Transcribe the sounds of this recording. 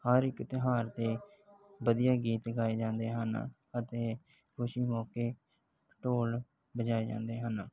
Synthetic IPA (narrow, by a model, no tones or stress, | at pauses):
həɾɪkt̪ɪɦaːɾt̪eːbəd̪ɪjaːɡiːt̪ɡaːeːd͡ʒãːnd̪eːɦən | ət̪eː | kʊʃiːmɔːkeː | ʈoːl | bəd͡ʒaːeːd͡ʒã̰ːnd̪eːɦən